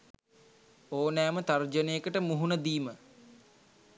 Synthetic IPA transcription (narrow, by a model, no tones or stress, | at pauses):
oːnæːmət̪ard͡ʒənejəkəʈəmuɦunəd̪iːmə